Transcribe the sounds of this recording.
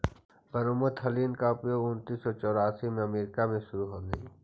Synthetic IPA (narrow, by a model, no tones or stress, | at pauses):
bəɾomət̪ʰəliːnkaʊpjoːɡʊnt̪iːsːɔt͡ʃɔːɾaːsimẽɐmeːɾɪkamẽʃʊɾuɦoːlɐ